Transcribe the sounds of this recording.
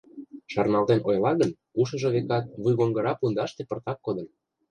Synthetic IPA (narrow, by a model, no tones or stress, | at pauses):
ʃɑrnɑlt̪enʔojlɑɣən | uʃɤ̆ʒɤ̆βekɑt̪̚βujɣoŋɡɤ̆ɾɑpund̪ɑʃt̪epə̆rt̪ɑkːod̪ə̆n